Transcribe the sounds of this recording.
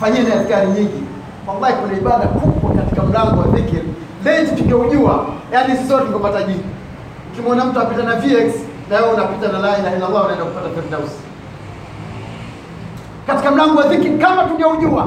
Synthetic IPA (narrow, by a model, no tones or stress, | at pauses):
faɲiɛniaskaɾiɲiŋɡi | walːahikunaiɓaɗakuɓwakati̥kam̩laŋɡɔwavikiɾi | lɛtutuɲɡauʄuajanisisɔɾniɡɔpataʄiɾi | ukimɔnam̩tuaapitanaviɛkslɛɔunapitanalailahilːalˠːaunaɛndaku̥patapɛɾdausi̥ | kati̥kam̩laŋɡɔwaðikiɾikamatuɡauʄua